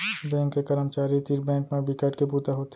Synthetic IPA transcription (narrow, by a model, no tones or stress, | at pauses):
bɛ̃ːŋkːekɐɾəmt͡ʃaːɾit̪iɾbɛ̃ːŋkmẽbikəʈkeput̪aɦoːt̪